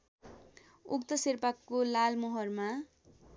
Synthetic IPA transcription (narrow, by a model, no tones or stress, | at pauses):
uk̚t̪ʌsirpakːolalmoɦʌrma